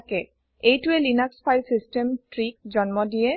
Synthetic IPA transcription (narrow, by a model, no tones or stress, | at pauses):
kɛ | ejtʊɛlinakspʰajlsistemtɹik̚zɔnmɔdijɛ